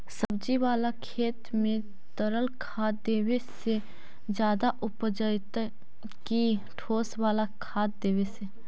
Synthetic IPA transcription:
səbd͡ʒiʋaːlakʰeːt̪mẽ | t̪əɾəlkʰaːt̪̚d̪eːwese | d͡ʒjaːd̪aʔʊpd͡ʒəɪt̪ | ki | ʈʰoːswaːlakʰaːt̪̚d̪eːʋese

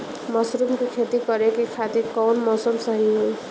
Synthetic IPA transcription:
mʌsɾumkekʰet̪ikʌɾekekʰat̪ikʌwnmɔsʌmsʌɦinu

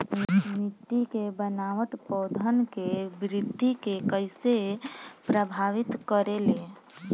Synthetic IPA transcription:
mɪʈːikebənaːʋəʈpɔːd̪ʱənkebɾɪd̪ʱːikekəɪsepɾəbʱaːʋɪt̪kəɾele

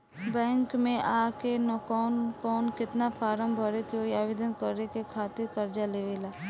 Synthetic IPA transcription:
bɛ̃ːŋkmẽʔaːkenɔkɔːnkɔːnkɪt̪nafaːɾəmbʱəɾekeoːiaːʋed̪ənkəɾːekekʰaːt̪ɪɾkɐɾd͡ʒaleːʋelaː

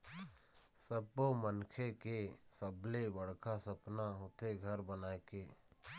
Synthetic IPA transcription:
səbːomənkʰekesəblebəɽkasəpnaɦoːt̪eɡʱəɾbənaːekeː

